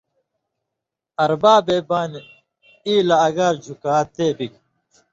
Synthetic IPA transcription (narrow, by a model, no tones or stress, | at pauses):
ɐɾbaːbeːbaːni | iːlɐːɡɐɾd͡ʑukaːt̪eːbik